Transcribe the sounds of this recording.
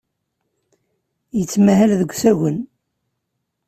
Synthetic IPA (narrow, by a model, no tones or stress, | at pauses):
jət͡sːmæhælðəɡʷθæɣən